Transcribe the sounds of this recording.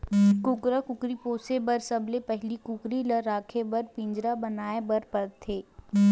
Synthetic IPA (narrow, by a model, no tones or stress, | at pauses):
kʊkɾakʊkɾipoːsebɐɾsɐblepɛɦlikʊkɾilɐɾːaːkʰebɐɾpɪ̃ɲd͡ʒɾabɐnaːebɐɾpɐɾt̪ʰeː